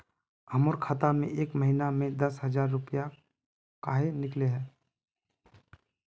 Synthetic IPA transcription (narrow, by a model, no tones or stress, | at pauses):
ɐmʊɾkʰaːt̪amḛ̃ʔeːkmɐɦinamẽd̪ɐsɦɐzaːɾːʊpja | kaːɦenɪkleɦɛː